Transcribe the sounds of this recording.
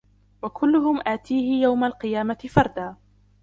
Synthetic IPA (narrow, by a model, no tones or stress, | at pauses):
wakʊlːʊɦʊmʔaːt̪iːhɪjawmalqɨjaːmat̪ɪfɑɾˤd̪aː